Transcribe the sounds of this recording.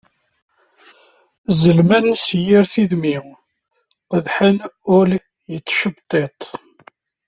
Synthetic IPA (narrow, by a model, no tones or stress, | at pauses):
zəlmænsjiɾθiðmiw | qəðħənʊl | jət͡sːʃəbt̪ˤːet̪ˤ